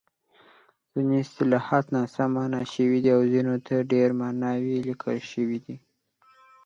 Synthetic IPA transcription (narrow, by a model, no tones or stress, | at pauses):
z̥inest̪ɪlɑhɑt̪nɑsamanɑʃəwid̪iawzinot̪ʰaɖeɾmɑnɑwilikʰəlʃəwid̪i